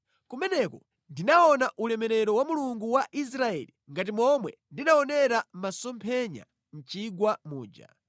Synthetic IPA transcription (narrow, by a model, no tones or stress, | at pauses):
kumɛnɛkɔ | ndinaɔnaʔulɛmɛɾɛɾɔwamuluŋɡuwaʔis̬ɾaɛliŋɡat̬imɔmwɛndinaɔnɛɾamasɔmpʰɛɲa̰ | n̩t͡ʃiɡwamuːd͡ʒa̰